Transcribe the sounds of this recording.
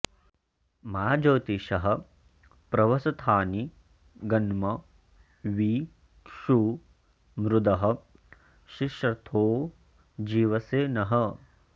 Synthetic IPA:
maːd͡ʒoːt̪iʃɐɦɐ̆ | pɾɐʋɐsɐt̪ʰaːni | ɡɐnmɐ | ʋiː | kʂuː | mɾud̪ɐɦɐ̆ | ʃiʃɾɐt̪ʰoː | d͡ʒiːʋɐseːnɐɦɐ

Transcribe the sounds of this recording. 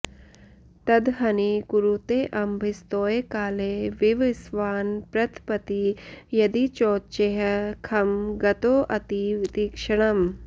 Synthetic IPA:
t̪ɐd̪ɦɐnikuɾut̪eːʔɐmbʱist̪oːjekaːleʋiʋɪsʋaːnpɾɐt̪ʰpɐt̪ijɐd̪it͡ʃoːt͡ʃeɦɐkʰɐmɡɐt̪oːʔɐt̪it̪iːkʂɐɳ̃ɐm

